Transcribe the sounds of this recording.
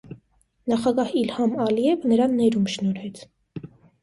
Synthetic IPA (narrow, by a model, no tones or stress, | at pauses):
nɑχɑɡɑhilhɑmɑliɛvənəɾɑnːɛɾumʃnɔɾɛt͡sʰ